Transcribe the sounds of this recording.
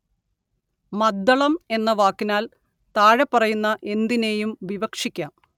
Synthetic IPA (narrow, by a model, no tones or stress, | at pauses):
mɐd̪ːɐɭɐme̞nːɐʋaːkːinaːl | t̪aːɻɐpːɐrɐjunːɐʔe̞nd̪ine̞ːjumʋiʋɐkʂikʲːaːm